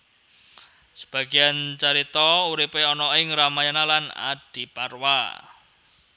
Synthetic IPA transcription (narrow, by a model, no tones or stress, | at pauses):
sə̥b̥a̤ɡ̥i̤ant͡ʃaɾit̪ɔuɾipeɔnɔɪŋɾamajanalana̰d̥i̤parwa